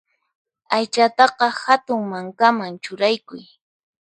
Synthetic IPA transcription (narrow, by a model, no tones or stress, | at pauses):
ajt͡ʃat̪ɑqɑhat̪ʊŋmaŋkamaŋt͡ʃʊɾajkʊj